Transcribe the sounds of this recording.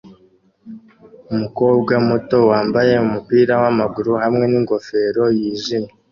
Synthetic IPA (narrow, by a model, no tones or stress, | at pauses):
umuko̞ːb̚ɡamuto̞waːmbaje̞umupiːɾawamaɡuɾuhamŋe̞niŋɡo̞fe̞ːɾo̞jiʒima